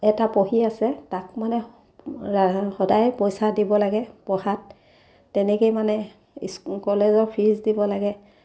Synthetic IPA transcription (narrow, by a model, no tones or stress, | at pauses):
ɛtapoɦiasɛtak̚manɛ | xɔdajpɔjsadibɔlaɡɛpɔhatː | ɛnɛkejmanɛ | skɔlezɔɹpʰizdibɔlaɡɛ